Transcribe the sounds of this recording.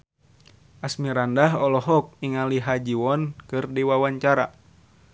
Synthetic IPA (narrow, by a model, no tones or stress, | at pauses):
ʔasmiɾandaɦɔlɔɦɔk̚iŋaliɦad͡ʒiwɔnkɨrdiwawaɲt͡ʃaɾa̰